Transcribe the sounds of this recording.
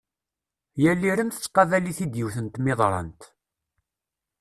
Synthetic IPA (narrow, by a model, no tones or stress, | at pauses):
jælːiɾəmθə̥t͡sːqːɑðæliθid̪jiwθənt̪mɪðˤɾˤɑ̰nt̪